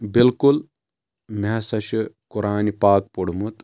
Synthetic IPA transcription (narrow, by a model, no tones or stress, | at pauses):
bilkul | mɐsɐʃukuɾaːnipaːk̚poɽ̤umut̪